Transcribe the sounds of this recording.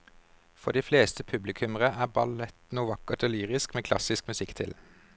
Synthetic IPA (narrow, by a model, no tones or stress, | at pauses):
fɔd̪iːfleːst̪əpʰʉblɪkʰʉməʁəæːbɑlɛt̪nuːʋɑkəʁt̪oːlyːʁɪskmeːkʰlɑ̰sɪskmʉsɪkt̪ʰɪ̰l